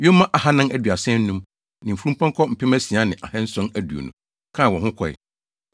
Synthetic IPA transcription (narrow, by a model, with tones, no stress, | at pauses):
ɥo˦mã˦ʔa˨ɦa˦nã˦næ˦dɥa˨sɛ̃˦n̩ː˦nũ˦m | nɪ̃˨fu˦ũ˦pʰɔ̃˦ŋ˦kʰɔ˦m̩˨pʰɪ˦mæ̃˦si˨a˦nɪ̃˨ʔa̰˨hɛ˦n̩˦sɔ̃˦næ˦du˨o̰˨nʊ̃˨ | kʰã˦˨wɔ̃˨hʊ̃˦kʰɔ˨ɪ̰˨